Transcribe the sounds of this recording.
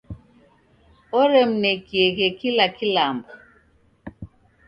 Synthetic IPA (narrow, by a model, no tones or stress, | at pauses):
ɔɾemnekieɣekilakilambo